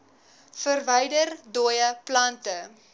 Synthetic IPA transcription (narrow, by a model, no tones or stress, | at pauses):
fərvəjdərdojəplɐntə